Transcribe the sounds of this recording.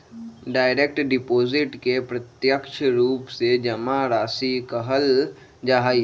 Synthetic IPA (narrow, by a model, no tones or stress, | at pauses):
ɖaːɪɾeːk̚ʈɖɪpoːzɪʈkepɾɐt̪jəkʃəɾuːpsed͡ʒɐmaɾaːsikəɦəl | d͡ʒaɦaːi